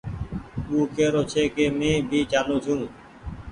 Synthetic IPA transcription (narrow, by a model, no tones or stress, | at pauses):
uːkeːɾoːt͡ʃʰeːkeːmẽːbʱiːt͡ʃaːlõːt͡ʃʰũː